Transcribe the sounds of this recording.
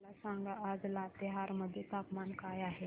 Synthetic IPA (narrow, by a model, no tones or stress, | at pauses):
lasãŋɡlaad͡zlat̪eɦaɾməd̪ʱːjet̪apmankajaɦe